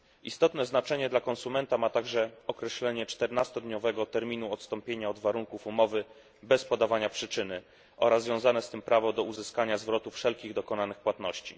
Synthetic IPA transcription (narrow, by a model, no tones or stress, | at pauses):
ist̪ɔt̪nɛznat͡ʂɛɲɛd̪lakɔnsumɛnt̪amat̪aɡʐɛɔkɾɛɕlɛɲɛt͡ʂt̪ɛɾnast̪ɔd̪ɲɔvɛɡɔt̪ɛɾmʲinuɔt̪st̪ɔmpʲjeɲaɔd̪vaɾuŋkufumɔvɘ | bɛspɔd̪avaɲapʂɘt͡ʂɘnɘ | ʔɔɾazːvʲjɔ̃w̃zanɛst̪ɘmpɾavɔd̪ɔuzɘskaɲazvɾɔt̪ufʂɛlkʲiɣd̪ɔkɔnanɘxpwat̪nɔɕt͡ɕḭ